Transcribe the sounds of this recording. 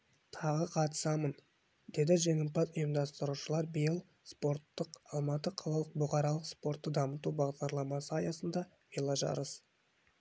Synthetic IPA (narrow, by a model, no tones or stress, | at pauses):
t̪ʰɑʁəqʰɑt̪ə̥sɑmən | d̪e̞d̪ɪʒeŋɪm̚pɑt̪ʊjəmd̪ɑst̪əɾuʃəlˠɑɾbijəlˠ | spo̞ɾt̪ːəqɑlˠmɑt̪əqʰɑlˠɑlˠəq̚bʊqɑɾɑlˠəqspo̞ɾt̪ːəd̪ɑmət̪ubɑʁd̪ɑɾlˠɑmɑsəɑjɑsənd̪ɑ | vilˠɑʒɑ̰ɾəs